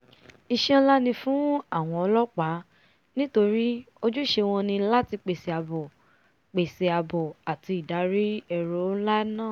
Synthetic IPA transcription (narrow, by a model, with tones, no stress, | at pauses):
i˧ʃɛ̃˦˧la˦nĩ˧fũ˦a˦˨w̃ɔ̃˧ɔ˧lɔ˦k͡pa˨˦ | nĩ˦to˧ɾi˦ | o˦˧d͡ʒu˦˨ʃe˧w̃ɔ̃˧nĩ˧˦la˦ti˧k͡pe˨se˨a˧bɔ˨ | k͡pe˨se˨a˧bɔ˨a˨ti˧˨da˨˦ɾi˦ɛ˧ɾo˨˦la˦nãː˦˨